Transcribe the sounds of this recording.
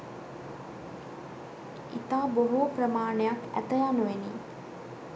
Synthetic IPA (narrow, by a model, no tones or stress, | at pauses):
it̪aːboɦuːprəmaːɳejakæ̰t̪əjanuʋeniː